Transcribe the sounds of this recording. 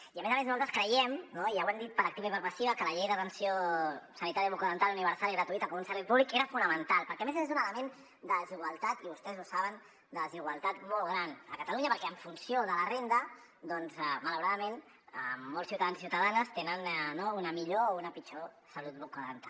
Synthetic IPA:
iəmezəmeznuzalˠt̪ɾəskɾəjɛmnoijawɛmd̪it̪̚pəɾəkt̪iβaipəɾməsiβəkələʎejðət̪ənsiosənit̪aɾjəβukuðənt̪aluniβ̞əɾsaliɣɾət̪uit̪əkɔmunsəlɛpuβlikeɾəfunəmənt̪alˠpəɾkɛəmezezunələmen | d̪əəziɣwalˠt̪at̪iβust̪ɛzusaβən | d̪əəziɣwalˠt̪at̪mɔlˠɣɾanəkət̪aluɲɐpəɾkɛəɱfunsioðələrend̪ə | d̪ɔnzɛmaləwɾaðəmen | mːolˠsiwt̪aðanssiwt̪əðanəst̪enənnounəmiʎounəpit͡ʃo | səlut̪̚bukəðənt̪al

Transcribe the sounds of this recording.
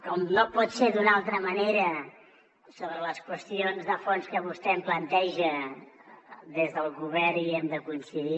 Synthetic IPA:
kɔmnopɔt̪sed̪unalˠt̪ɾəmɐneɾə | soβɾələskwəst̪ionzðəfonskəβust̪ɛmplənt̪ɛʒə | d̪ezðəlˠɣuβɛɾiɛmd̪əkunsəɣi

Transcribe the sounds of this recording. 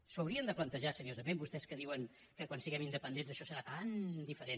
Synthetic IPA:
səwɾiənd̪əplənt̪əʒasəniozəmẽmbust̪ɛskəðiwəŋ | kəkwansiɣɛmind̪əpənd̪enzəʃɔsəɾat̪and̪ifəɾen

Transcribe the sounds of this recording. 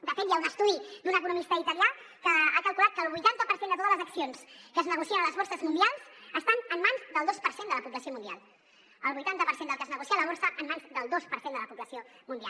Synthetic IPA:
d̪əfet̪jaunəst̪uðid̪unəkunumist̪əit̪əlia | kəakəlˠkulat̪̚kəːlˠβujt̪ant̪əpəɾsend̪ət̪ot̪ələzəksionskəːznəɣ̞usiənələzβoɾsəzmund̪ialˠsəst̪anəmːanzd̪əlˠd̪ospəɾsend̪ələpuβləsiomund̪ia̰lˠ | əlˠβujt̪ant̪əpəɾsend̪əlˠkəznəɣusialəβ̞oɾsəʔəmːanzd̪əlˠd̪ospəɾsend̪ələpuβləsiomund̪ia̰l

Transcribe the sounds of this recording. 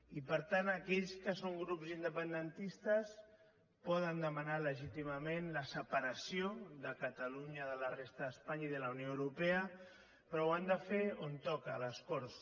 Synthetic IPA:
ipəɾt̪anəkɛʎskəsoŋɡɾupzind̪əpənd̪ənt̪ist̪əs | pɔðənd̪əmənaləʒit̪iməmenləsəpəɾəsioðəkət̪əluɲəðələrest̪əðəspaɲaiðələwnjoəwɾupeə | pɾɔwand̪əfeont̪ɔkələskɔɾs

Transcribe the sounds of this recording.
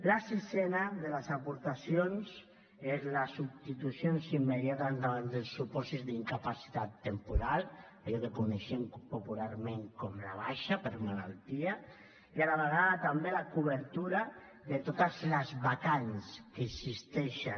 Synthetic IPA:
lasisɛnaðelasapuɾt̪asjons | ezlasubst̪it̪usjonsimːeðjat̪and̪aand̪elsːupɔsizd̪iŋkapasi̥t̪at̪ːempuɾal | aʎɔkekuneʃempopulaɾmẽŋkɔmla̰β̞aʃapeɾmala̰lt̪ia | iaðaβeɣ̞aðat̪ambelakuβeɾt̪uɾa | ðet̪ot̪azlazβakanskeksist̪ɛʃa

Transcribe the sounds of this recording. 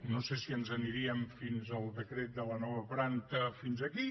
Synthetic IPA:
nosesiənzəniɾiəmfinzəlˠðəkɾet̪̚d̪ələnɔβəpɾant̪əfinzəki

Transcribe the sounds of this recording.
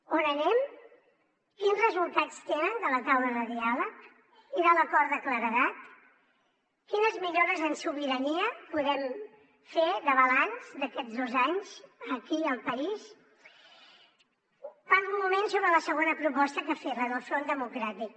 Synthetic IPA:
onənɛm | kinzrəzulˠt̪at͡st̪enənd̪ələt̪awləðəðialək | iðələkɔɾəkləɾəðat̪ | kinəzmiʎoɾəzənsuβiɾəniəpuðɛm | feðəβəlanzd̪əkɛd͡zðozaɲz̥əkiəlˠpəis | panmumensoβɾələsəɣonəpɾupɔst̪əkəferəðəlˠfɾond̪əmukɾat̪ik̚

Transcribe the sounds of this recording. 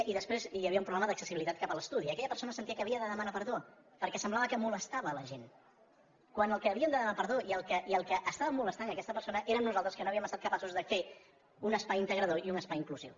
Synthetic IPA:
ʔiðəspɾezjəβiəumpɾuβlɛməðəksəsiβilit̪at̪kapələst̪uðiəkɛʎəpəɾsonəsənt̪iəkəːβiəðəðəmənapəɾðo | pəɾkɛsəmblaβəkəmuləst̪aβələʒen | kwanəlˠkəːβiəmd̪əðəmnapəɾðoiəlˠkəʔiəlˠkəʔəst̪aβəmoləst̪anəkɛst̪əpəɾsonəʔeɾəːmnuzalˠt̪ɾəskənoɐβiəməst̪at̪kəpasuzðəfe | unəspajint̪əɣɾəðoiunəspajiŋkluzḭw

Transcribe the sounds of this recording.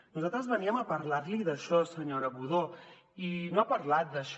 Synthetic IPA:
nuzat̪ɾəzβəniəməpəɾlaɾliðəʃɔsəɲoɾəβuðo | inoapəɾlat̪̚d̪əʃ

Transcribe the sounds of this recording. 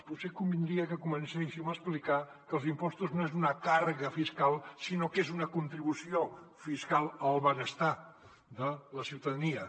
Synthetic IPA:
put̪sekumbind̪ɾiəkəkumənseʃiwməsplika | kəlˠzimpɔst̪uznoezunəkaɾɣəfiskalˠsinokezunəkunt̪ɾiβusiofiskalˠəlˠβənəst̪a | d̪ələsiwt̪əðəniə

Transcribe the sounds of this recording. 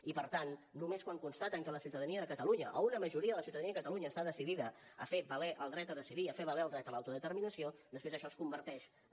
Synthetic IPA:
ipəɾt̪anːumeskwaŋkunst̪at̪əŋkələsiuwt̪əðəniəðəkət̪əluɲəʔə̰unəməʒuɾiəðələsiwt̪əðəniəkət̪əluɲəːst̪aðəsiðiðəəfeβəlɛʔəlˠd̪ɾɛt̪əðəsiðiəfeβəlɛəlˠd̪ɾɛt̪əlawt̪uðət̪əɾminəsiod̪əspɾezəʃɔskumbəɾt̪ɛʃ

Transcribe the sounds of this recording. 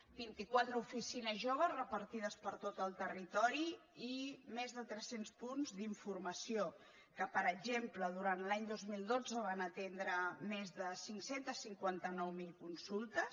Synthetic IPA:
bint̪ikwat̪ɾəufisinəzʒoβ̞əzrəpəɾt̪iðəspəɾt̪ot̪əlˠt̪ərit̪ɔɾiimezðət̪ɾɛsenspunzd̪iɱfurməsio | kəpəɾəɡʒempləðuɾant̪laɲd̪ozmilˠd̪od͡zəβ̞anət̪end̪ɾəmezðəsiŋksent̪əsiŋkwant̪ənɔwmilˠkunsulˠt̪əs

